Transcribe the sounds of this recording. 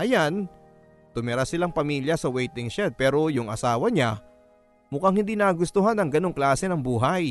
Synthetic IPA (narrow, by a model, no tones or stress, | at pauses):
ʔɐjan | t̪ʊmɛɾasɪlaŋpɐmiːljɐsɐwɛjt̪ɪŋʃɛd̪̚pɛːɾo̞jʊŋʔɐ̰saːwɐɲa | mʊkaŋhɪnd̪iːnɐɐɡʊst̪oɦanɐŋɡɐno̞ŋklaːsɛnɐŋbuːɦaj